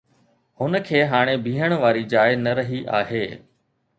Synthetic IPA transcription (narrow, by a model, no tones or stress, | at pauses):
hʊnəkʰeːɦaːɽ̃ebʱiːɦəɽ̃ʋaːɾid͡ʑaːɪnɐɾɐɦiʔa̰ːɦeː